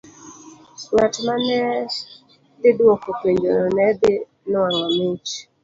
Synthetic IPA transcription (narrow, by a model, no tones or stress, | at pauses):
ŋatmanɛ | d̪ɪdwokopeɲd͡ʒo̰nɔnɛd̪ɪ | nʊaŋɔmit͡ʃ